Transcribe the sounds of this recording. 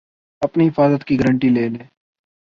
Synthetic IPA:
ɐpniɦɪfaːzət̪kiɡəɾə̃ɳʈileːlẽː

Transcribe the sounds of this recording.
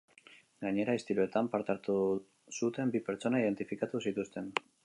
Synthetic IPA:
ɡaɲe̞ɾaest̪iɾue̞t̪ampaɾt̪aɾt̪u | sut̪e̞mbipe̞ɾt͡so̞naiðe̞nt̪ifikat̪usit̪ust̪e̞n

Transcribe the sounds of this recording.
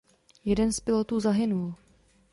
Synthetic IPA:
jɛdɛnspɪlot̪uːzaɦɪnul

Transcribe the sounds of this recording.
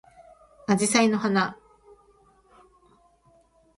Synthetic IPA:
ad͡ʑisaino̞hana

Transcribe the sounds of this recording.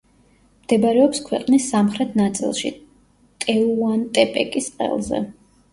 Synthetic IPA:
md̪̥ɛbaɾɛɔpskʰwɛqʼnisːamχɾɛt̪ʰnat̪sʼḭlˠʃḭ | t̪ʼɛuant̪ʼɛpʼɛkʼisqʼɛ̰lˠzɛ̰

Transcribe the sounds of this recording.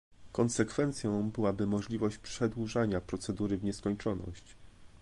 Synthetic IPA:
kɔnsɛkfɛnt̪sʲjɔ̃w̃bɘwabɘmɔʐlʲivɔɕt͡ɕpʂɛd̪wuʐaɲapɾɔt̪sɛd̪uɾɘvɲɛskɔɲt͡ʂɔnɔ̰ɕt͡ɕ

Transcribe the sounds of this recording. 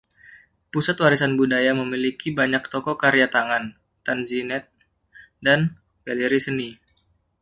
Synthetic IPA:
pusat̪waɾisanbudajaməmilikibaɲak̚t̪ɔkɔkaɾjat̪aŋan | t̪anzinɛt̪̚ | dan | ɡaliɾisəni

